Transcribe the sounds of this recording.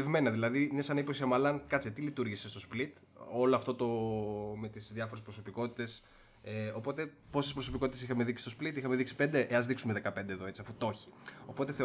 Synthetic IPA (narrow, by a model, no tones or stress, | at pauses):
evme̞nɐðilɐðiinesɐnipo̞siɐmɐlɐnkɐt͡sit̪ilit̪uɾʝise̞st̪o̞split̪ | o̞loɐft̪o̞t̪o̞me̞t̪izðjɐfo̞ɾespɾoso̞piko̞t̪i̥t̪e̞s | eo̞po̞t̪epo̞sespɾo̞so̞pikoit̪esixɐmeðiksi̥st̪osplit̪ixɐmeðiksi̥pend̪e̞ʔeɐzðiksumeðe̞kɐpe̞nd̪eðoe̞t͡siɐfut̪o̞çi̥o̞po̞t̪e̞θe